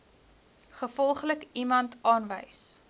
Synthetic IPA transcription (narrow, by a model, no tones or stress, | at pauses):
χəfɔlˠχləkimɐntɑːnvəjs